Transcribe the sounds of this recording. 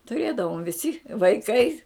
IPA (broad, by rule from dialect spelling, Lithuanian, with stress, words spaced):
tʊˈrʲeːdɐʋoːm ʋʲɪˈsʲɪ ʋɐɪˈkɐɪ